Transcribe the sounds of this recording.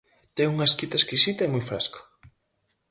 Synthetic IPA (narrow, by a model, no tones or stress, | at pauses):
t̪ɛŋuŋɐeskit̪ɐeskisit̪ɐemojfɾasko̥